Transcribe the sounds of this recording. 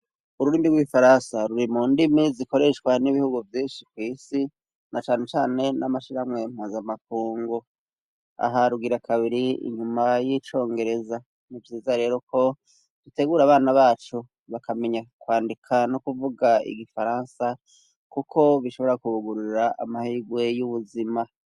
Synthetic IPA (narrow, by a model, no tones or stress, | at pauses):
uɾuɾiːmiɡwiifaɾansaɾuɾimuːndimiziko̞ɾe̞ʃkwaniβihuɡuvjiːnʃikwiːsi | nat͡ʃaːne̞t͡ʃaːne̞namaʃiɾamŋe̞m̥uːnzamak̚uːŋɡu | a̰ɦaɾuɡiɾakʰaβiɾiḭɲumajit͡ʃo̞ːŋɡe̞ɾe̞za | nivjiːzaɾe̞ːɾo̞kʰo̞ | d̥ute̞ɡuːɾaβaːnaβaːt͡ʃu | βakame̞ɲakwaːndikʰanokuvuɡaḭɡifaɾaːnsa | kukʰo̞βiʃo̞βoɾakuβuɡuɾuiɾaʔa̰mahiɡwe̞juβuzima